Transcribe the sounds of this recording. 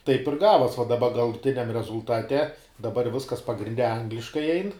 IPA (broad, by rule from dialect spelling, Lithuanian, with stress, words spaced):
tɐɪp ɪr ˈɡɑːʋoːs ʋɐ dɐˈbɐ ɡɐlˠʊˈtʲɪnʲɛm rʲɛzʊlˠˈtɑːtʲɛ dɐˈbɐr ˈʋʲɪskɐs pɐɡrʲɪnʲˈdʲɛ ˈɐŋɡlʲɪʃkɐɪ ˈɛɪn